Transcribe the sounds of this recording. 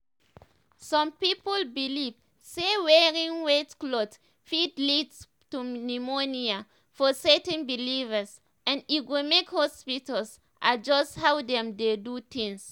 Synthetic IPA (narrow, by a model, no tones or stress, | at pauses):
sɔ̃mpipɔlbiliv | sewɛɹĩŋwetklot | fidlids | tunimonia | fɔsɛtɛ̃nbilivəs | ɛ̃nit̚wemekhɔspitals | ʔad͡ʒɔsthawdɛ̃mdedut̪ĩŋs